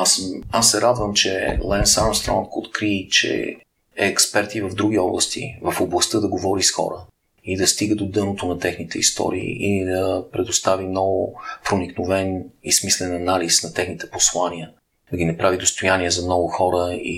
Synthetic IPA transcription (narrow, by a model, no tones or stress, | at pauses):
asasːɛɾad̪vəmt͡ʃɛ̰lˠɛnsamst̪ɾɔ̰nkot̪kɾit͡ʃɛ̰ | ɛːkspɛɾt̪ivɐvd̪ɾuɡ̟iɔblˠəst̪ḭvəfoblˠɐst̪ɤd̪ɐɡovɔɾisxɔ̰ɾə | id̪ɐst̪iɡəd̪d̪od̪ɤnot̪onɐt̪ɛxnit̪ɛist̪ɔ̰ɾḭḭid̪ɐpɾɛd̪ost̪avimnɔɡʊpɾoniknovɛnismislɛnɐnalisnɐt̪ɛxnit̪ɛ̥poslˠaniə | d̪ɐɡʲinɐpɾavid̪ost̪ojaniɛzɐmnɔɡʊxɔɾəḭ